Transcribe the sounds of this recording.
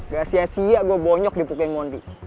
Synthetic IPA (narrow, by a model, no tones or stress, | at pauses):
ɡasiasijaɡuabɔɲɔk̚dipukamɔndi